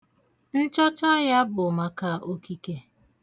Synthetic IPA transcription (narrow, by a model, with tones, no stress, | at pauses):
n̩˦t͡ʃɔ˦t͡ʃa˦ja˦bʊ˨ma˨ka˦˨ʔo˦ki˦ke˦